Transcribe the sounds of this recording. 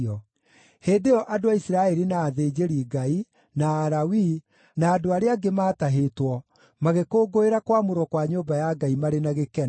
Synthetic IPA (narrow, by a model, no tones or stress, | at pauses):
ɔ | heːdeɔʔadoaisiɾaɛɾinaːðed͡ʑeɾiɡai | naːɾawi | naːdoaɾeaɡemaːtaɦetwɔ | maɣekoːɡoeɾakwamoɾwɔkwaɲoːbajaɡaimaɾenaɣekɛ